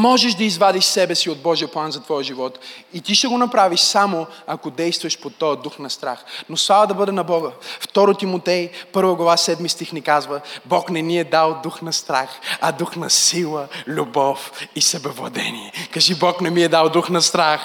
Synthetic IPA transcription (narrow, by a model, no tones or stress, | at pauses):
mɔʒɛʃd̪ɐizvad̪iʃsɛbɛsiod̪̚bɔʒijəplˠanzɐt̪vɔjəʒivɔt̪it̪iʃt̪ɛɡonɐpɾaviʃsamoakod̪ɛjst̪vɐʃpot̪ɔjəd̪uxnɐst̪ɾaxnoslˠavəd̪ɐbɤd̪ɛnɐbɔɡəft̪ɔɾot̪imot̪ɛjpɤɾvəɡlˠɐvasɛd̪mist̪ixnikazvəbɔknɛmiɛd̪alˠd̪uxnɐst̪ɾaxɐd̪uxnɐsilˠəlʲubɔfisɐbɛvlˠɐ̰d̪ɛ̰niɛkaʒibɔknɛmiɛd̪alˠd̪uxnɐst̪ɾax